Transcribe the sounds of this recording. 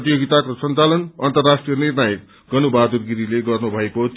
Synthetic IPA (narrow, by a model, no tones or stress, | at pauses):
t̪ijoɡit̪akosʌnt͡salʌnʌnt̪ʌrːasʈrijʌnirnajek̚ | ɡʌnubad̪urɡiɾileɡʌrnubʱʌeko